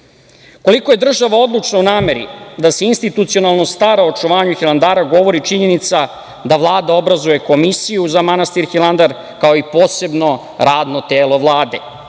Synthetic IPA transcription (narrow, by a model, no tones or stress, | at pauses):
ko̞liko̞je̞d̪r̩ʒaʋao̞d̪lˠut͡ʃnounaːme̞ɾḭd̪aseinst̪it̪ut̪sio̞nalˠno̞st̪aːɾaot͡ʂuʋaːɲuxilˠand̪aːɾaɡo̞ʋo̞ɾit͡ʃiɲe̞nit̪sa | d̪aʋlˠaːd̪ao̞bɾazuje̞ko̞misijuzamanast̪iɾxilˠand̪aɾ | kao̞ipo̞ːse̞bno̞ | ɾaːd̪not̪eːlo̞ʋlˠaːd̪e̞